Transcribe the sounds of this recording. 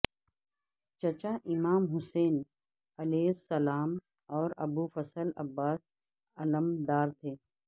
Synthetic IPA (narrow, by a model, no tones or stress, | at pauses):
t͡ʃɐt͡ʃaːʔɪmaːmɦʊseːn | ɐleːsɐlaːm | ɔːɾɐbuːfɐsəlɐ̰bːaːs | ɐləmd̪aːɾt̪ʰeː